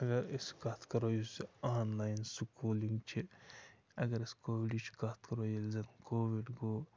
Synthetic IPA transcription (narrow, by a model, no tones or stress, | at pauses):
ɐɡɐɾeskat̪ʰkɐɾojusiaːnlaːjnsukuːliŋɡt͡ʃʰi | ɐɡɐɾiskoːʋiɖit͡ʃʰi̥kat̪ʰkɐɾoːjilzɐnkoːʋiɖɡoː